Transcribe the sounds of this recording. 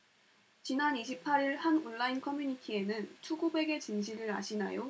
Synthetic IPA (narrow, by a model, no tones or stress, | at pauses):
t͡ɕinaniɕʰipʰaɾiɭhanunːainkʰʌmjuɲitʰie̞nɯnt͡ɕʰuɡube̞ɡe̞t͡ɕinɕʰiɾɯɾa̰ɕʰina̰jo